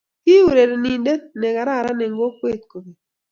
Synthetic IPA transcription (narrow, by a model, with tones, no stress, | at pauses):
ki˦u˨ɾe˨ɾe˨ni˨nde˦nɛ˨ka˨ɾa˦˨ɾa˦nɛ˨ŋ˦ɡo˦kwe˦˨t̪̚ko˨bi˨